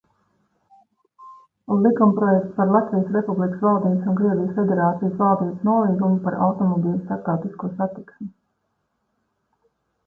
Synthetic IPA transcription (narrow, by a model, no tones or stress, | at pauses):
lˠikumpɾɔjɛkt̪paɾlˠat̪vijəsɾepublˠikə̥svalˠd̪iːbsunkɾiɛvʲijəsfed̪eɾaːt̪sijsvalˠd̪iːbsnuɔlˠiːɡumupaɾa̰wt̪ɔmɔbiːlʲˠst̪aɾt̪awt̪iskuɔsat̪iksmi